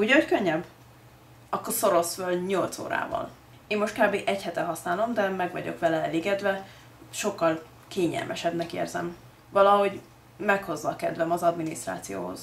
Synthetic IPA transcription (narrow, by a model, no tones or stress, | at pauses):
uːɟockøɲːɛbː | ɒkːorso̞ɾo̞sfølɲolt̪so̰ːɾa̰ːvɒ̰l | eːmːoʃt̪̚kaːbeːʔɛchɛt̪ɛɦɒsnaːlo̞md̪ɛmɛɡvɒ̰ɟo̞̰kʋɛlɛɛleːɡɛd̪vɛ | ʃo̞kːɒl | keːɲɛ̰lmʔɛʃɛbnɛkḛːrzɛ̰m | vɒlɒɦo̞ɟ | mɛkho̞zːɒkɛd̪vɛmɒzɒd̪minist̪ɾra̰ːt̪sijo̰ːɦo̞̰z̥